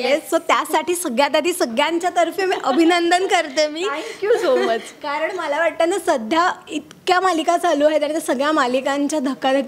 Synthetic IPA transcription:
esot̪jasaʈiːsəɡɭjat̪ad̪ʱiːsəɡɭjaɲt͡ɕjat̪əɾfemiʔəbʱinənd̪ənkəɾt̪emiːŋkjusomət͡ɕkaɾəɳməlaʋaʈ̚t̪anːasəd̪ʱjait̪kjamalikat͡saluːaɦet̪aɽ̃it̪esəɡɭjamalikaɲt͡ɕjad̪ʱəkːad̪ʱəkː

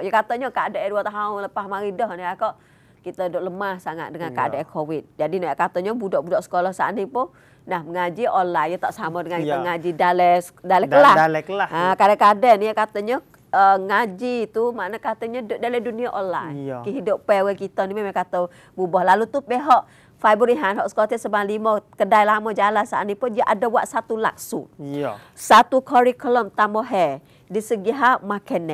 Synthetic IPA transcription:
jəkat̪ɔɲɔkadaʔəduət̪aɦʊnləpahmaɾidɔhniakɔʔ | kit̪ədoʔləmahsaŋa̰ʔ̪̚dəŋankaadakʰowɪt̪̚d͡ʒadinajakat̪ɔɲɔbudɔʔbudɔʔsə̥kolɔhsa̰ʔnipʊ | nahməŋad͡ʒiolajjɔt̪aʔsamədəŋankiəŋad͡ʒidalɛsdalɛəlalɛkəlaakadəkadɛnjəkat̪ɔɲɔ | əŋad͡ʒit̪umaʔnəkat̪əɲədalɛduniaʔɔnla̰ikəɦidoppɛwəkit̪ɔnimamakat̪ə | bubɔhlalut̪upɛɦɔʔ | faibəɾiɦanɦɔʔsə̥kot̪ɛsəbanlimɔkədajlamɔd͡ʒalansaʔaʔnipʊnjəʔadabwaʔsat̪ula̰k̚sṵ | sat̪ukʰɔɾikəlɔmt̪amɔɦɛ | disəɡiɦamakɛnːɛʔ̚

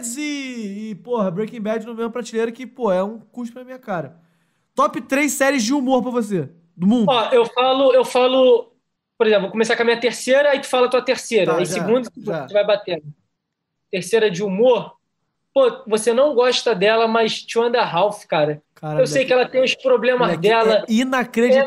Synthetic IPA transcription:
d͡ʒzɪːpohɐbɾekĩbɛd͡ʒɪnũvẽjũɐpɾat͡ʃilejɾɐkɪpoɛũkuʃt̪ʊnɐmĩɲɐkaɾɐ | t̪ɔpɪt̪ɾejssɛɾɪzd͡ʒɪumoɾpɾɐvos̬e | d̪ʊmũɔewfalʊewfalʊ | poɾezẽplvokõmesakõɐmĩɲɐt̪eɾseɾɐait̪u̥falɐt̪uɐt̪eɾseɾɐĩsiɡũd̪ʊt̪uut̪uvajbat̪ẽnd̪ʊ | t̪eɾseɾɐd͡ʒɪumoɾ | povosenɐ̃w̃ɡɔʃt̪ɐd̪ɛlɐmɐʃt͡ʃɪɐ̃nd̪ɐɦawfkaɾɐkaɾaewsejkɪɛlɐt̪ẽj̃ʊspɾoblẽmɐzd̪ɛlɐinɐkɾed͡ʒit̪

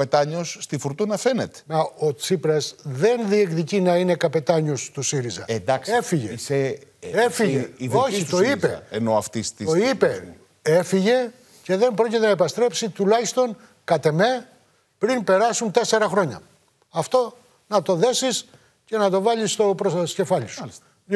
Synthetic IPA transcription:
pet̪ɐɲo̞sːt̪ifuɾt̪unɐfe̞net̪e̥mɐo̞t͡sipɾesðe̞nðiekðicinɐine̞kɐpe̞t̪ɐɲo̞st̪usiɾizɐ̰end̪ɐksefiʝeseefiʝeiðooçit̪oizeeno̞ɐft̪ist̪itoipe̞ | e̞fiʝe̞ | ce̞ðe̞mbɾo̞cet̪enɐepɐst̪ɾe̞psit̪ulɐçist̪o̞n | kɐt̪e̞me̞ | pɾinpe̞ɾɐsunt̪e̞se̞ɾɐxɾo̞ɲɐ̰ | ɐft̪o̞ | nɐt̪o̞ðe̞sis | ce̞nɐt̪̬o̞vɐlist̪o̞pɾossce̞fɐʎisus

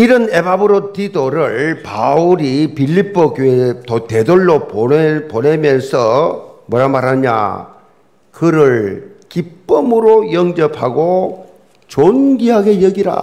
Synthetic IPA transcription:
iɾʌne̞babɯɾotʰidoɾɯɭpauɾipiʎːip͈ʰːokjoetot̪e̞doɭːopoponemjʌnsʰʌmʌɾamaɾaɲa̰ | kɯɾɯɭkip͈ːɯmɯɾojʌŋd͡ʑʌpʰaɡo | t͡ɕonɡiɦaɡe̞jʌɡiɾa̰

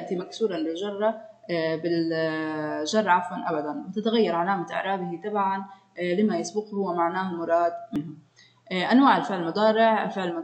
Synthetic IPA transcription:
ʔt̪imaksuːɾˤɑnlɪlʒɑrˤːɑbɪl | ʒɑrˤːɑʕafwanʔabad̪anmt̪ɪt̪aɣajːɑɾˤʕalaːmaʔɪ̰ʕɾˤɑːb̪ɪhit̪ˤɑbʕan | lɪmajɪsbʊqhʊwːamaʕnaːhmʊɾˤɑːd̪mɪnhʊm | ʔanwaːʕɪlfɪʕlmʊd̪ˤɑːɾɪʕ̰lfɪʕlm

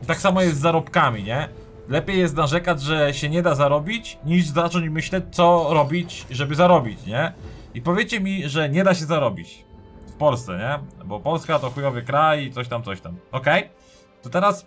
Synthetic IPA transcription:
t̪aksamɔjɛst̪zːaɾɔpkamʲiɲɛ | lɛpʲjejːɛs̬t̪naʐɛkad͡ʑʐɛɕɛɲɛd̪azaɾɔbʲit͡ɕɲiʐzat͡ʂɔɲd͡ʑmɘɕlɛt͡ɕt̪sɔɾɔbʲit͡ɕʐɛbɘzaɾɔbʲit͡ɕɲɛ | ipɔvʲjet͡ɕɛmʲiʐɛɲɛd̪aɕɛzaɾɔbʲḭt͡ɕfpɔlst̪sɛ̰ɲɛbɔpɔlskat̪ɔxujɔvʲɛkɾajit̪sɔɕt̪amt̪ɔɕt̪amɔkɛj | t̪ɔt̪ɛɾas

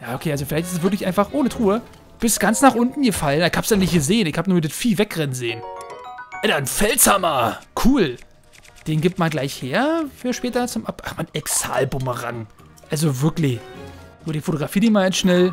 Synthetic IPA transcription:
jaːokʰeːalzofɪlaɪçtɪstɛsv̥ɪɐklɪçʔaɪnfaχʔoːnətʁ̥uːə | b̥ɪstɡ̥ant͡snaːχʔʊntn̩ɡəfalənaɪkhaːpsdanɪçtɡ̥əzeːnɪçhaːbənuːɐdɪtfiːvɛkʁɛnzeːn | ʔɛdanfɛltzamɐkʰuːl | d̥eːnɡɪp̚tmanɡlaɪçheːɐfyːɐʃpɛːtɐt͡sʊmʔapʔaχmanɛksa̰ːlbʊməʁa̰ŋ | ʔalzovɪɐklɪçnuːɐɾiːnfotoɡʁafiːdeːnmanansʃnɛl

